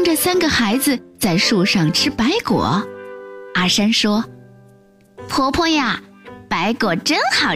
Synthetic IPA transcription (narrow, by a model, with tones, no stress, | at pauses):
ŋʈ͡ʂə˥˧sa˥nɡə˨xa˧˥ɪd͡zɹ̩˧t͡sa˥˧ɪʂu˥˧ʂɑ˥˩ŋʈ͡ʂʰɻ̩˥pa˧˥ɪkwɔ̰˨˩˦ | a˥˩ʂa˥nʂwɔ˥ | pʰɔ˥pʰɔ˥ja˥˩pa˧˥ɪkwɔ˨˩ʈ͡ʂə˥nxɑ˨˩ʊ